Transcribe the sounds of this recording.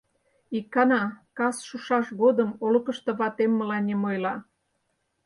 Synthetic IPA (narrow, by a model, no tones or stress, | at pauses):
ikːɑnɑkɑsʃuʃɑʃɣod̪əmolɤkə̆ʃt̪ɤ̆βɑt̪emːəlɑnʲemojlɑ